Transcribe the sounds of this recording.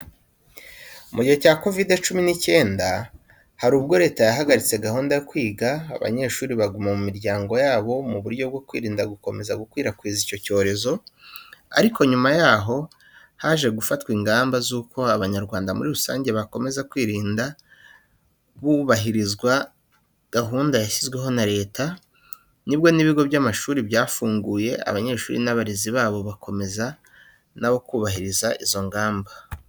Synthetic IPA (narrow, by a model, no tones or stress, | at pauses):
umuɟiho̞caːko̞vide̞t͡ʃuminice̞ːnda | haɾuːb̚ɡo̞ɾe̞ːtajaɦaɡaɾit͡se̞ɡahuːndajokwiːɡa̰ːβa̰ɲe̞ʃuːɾiβaɡumamumiɾɟaːŋɡo̞jaːβo̞muβuɾɟo̞b̚ɡo̞kwḭːɾiːndaɡuko̞me̞zaɡukwiːɾakwiːzico̞co̞ːɾe̞zo̞ | a̰ɾikʰo̞ɲumajaːɦo̞ | haʒe̞ɡufatwiŋɡaːmbazuːko̞aβaɲaɾɡwaːndamṵɾiɾusa̰ːɲɟe̞βako̞me̞zakwiːɾiːnda | βuβaɦiɾizɡwa | ɡ̥aɦuːndajaʃizɡwe̞ɦo̞naɾe̞ːta | nibjo̞niβiɡo̞βjamaʃuːɾibjaːfuːŋɡuːje̞a̰βaɲe̞ːʃṵːɾḭnaβaɾiziβaːβo̞βakʰo̞me̞za | naβo̞kuːβaɦiɾizaʔizo̞ŋɡaːmba